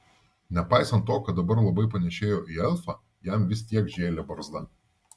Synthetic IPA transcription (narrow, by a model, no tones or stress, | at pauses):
nʲɛpɑˑɪsɐnt̪ːoːkɐt̪̚d̪ɐbɐɾlˠɐbɐɪpɐnʲɛʃʲeːjoːʔiɛlˠfɑ | jæˑmʋʲɪst̪ʲiɛkʒʲeːlʲɛbɐɾzd̪ɐ